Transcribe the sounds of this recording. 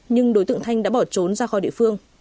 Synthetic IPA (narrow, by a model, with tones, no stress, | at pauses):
ɲɨ˧ŋɗo˨˦jt̪ɨ̰˧˨ŋt̪ʰa˧jŋ̟ɗa̰ː˧˥ɓɔ˧˩t͡ɕo˨˦nzaː˧xɔ˨˦ɗḭ˧ə˨fɨ˧əŋ